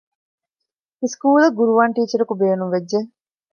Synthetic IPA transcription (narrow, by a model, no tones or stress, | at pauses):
iskuːlɐɡuɾuʋaːɳʈiːt͡ʃɐɾɐkubeːnumʋed͡ʒːe